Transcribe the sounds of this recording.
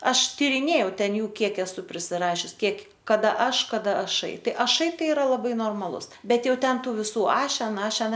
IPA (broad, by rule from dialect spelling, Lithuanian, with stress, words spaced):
ˈɐʃ tʲiːrʲɪˈnʲeːjɛʊ ˈtʲɛn ˈjuː ˈkʲiɛk ɛsʊ pʲrʲɪsʲɪˈrɑːʃʲʊs ˈkʲiɛk kɐˈdɐ ˈɐʃ kɐˈdɐ ɐˈʃɐɪ ˈtɐɪ ɐˈʃɐɪ ˈtɐɪ ɪˈrɐ lˠɐˈbɐɪ noːrmɐˈlˠʊs ˈbʲɛt ˈjɛʊ ˈtʲɛn ˈtuː ʋʲɪˈsuː ˈɑːʃʲɛn ˈɑːʃʲɛn